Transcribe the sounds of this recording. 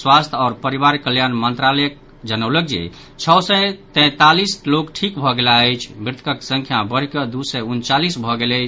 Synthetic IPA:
swast̪ʰɔːɾpəɾiβaɾkəljanmənt̪ɾalɛjək | d͡ʒənəwlək̚d͡ʒḭ | t͡ʃʰɔwsɛt̪ɛ̃t̪alislokʈʰikbʱɔɡelaəjt͡ʃʰmɾɪt̪ʰkəksə̃ŋkʰjabəɾ̤ikəd̪usɛunt͡ʃalisbʱɔɡelət͡ʃʰ

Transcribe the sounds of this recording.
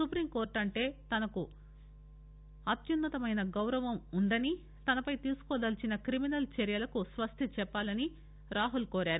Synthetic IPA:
supɾimkoːɾʈɐɳʈe̞ːt̪ɐnɐku | ɐt̪junːɐt̪ɐmɐjnɐɡɐwɾɐʋɐmund̪ɐni | t̪ɐnɐpɐjt̪iːsu̥kɔːd̪ɐlt͡ʃinɐkɾiminɐlt͡ʃɛɾjɐlɐkusʋɐst̪ʰit͡ʃɛpːaːlɐni | ɾaːɦulkoːɾaːɾu

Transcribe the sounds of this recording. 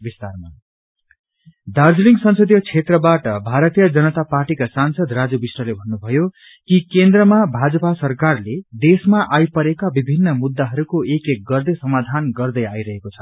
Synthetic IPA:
bist̪arma | ɖard͡zliŋɡsʌnsʌd̪jʌt͡sʰet̪rʌbaʈʌbʱaɾʌt̪ijʌd͡zʌnʌt̪aparʈikasansʌd̪rad͡zubisʌlebʱʌnːubʱʌjo | kikend̪rʌmabʱad͡zʌpasʌrkarled̪esmaʔajpʌɾekabibʱinːʌmud̪ːaɦʌɾukoekek̚ɡʌrd̪esʌmad̪ʱanɡʌrd̪ʌjajɾʌɦekot͡sʰʌ̥

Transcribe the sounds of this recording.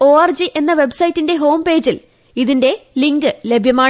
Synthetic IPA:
o̞ːɐrd͡ʑiʔe̞nːɐʋe̞bsɐjitːinde̞ɦo̞ːmpe̞ːd͡ʑil | iðinde̞liŋɡɨlebʱjɐmaː

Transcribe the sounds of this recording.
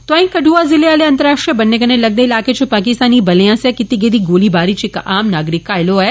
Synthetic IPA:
t̪oaĩkɐʈuazɪleaːleɐ̃nt̪əɾaːʂʈɾijəbɐnːekɐnelɐɡ̚d̪ɐilaːket͡ʃʰopaːk̬ɪst̪aːnibɐljãsjakɪt̪ːiɡed̪iɡoːlibaːɾit͡ʃʰekʔaːmnaːɡɾɪkːaːɪloɦɛ

